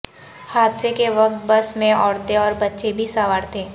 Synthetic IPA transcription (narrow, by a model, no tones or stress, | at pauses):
haːd̪sekeʋɐk̚t̪̚bɐsmẽɔːɾt̪eɔːɾbɐtːʃebʱisaːʋaːɾt̪ʰẽː